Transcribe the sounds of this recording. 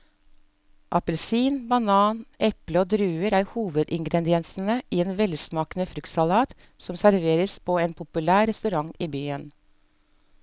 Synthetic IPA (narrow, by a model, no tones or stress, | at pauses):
ʔɑpəlsiːnbɑnɑːnʔɛpləoːd̪ɾʉːəɾæːɾhuːʋəd̪ɪŋɡɾɛd̪ɪɛnsn̩əʔiːeːnʋɛlsmɑːknəfɾʏkt̪sɑlɑːt̪ | sɔmsæɾʋeːɾəspʰoːeːnpʰʊpʉlæːɾɛst̪ʉɾɑŋiːbyːən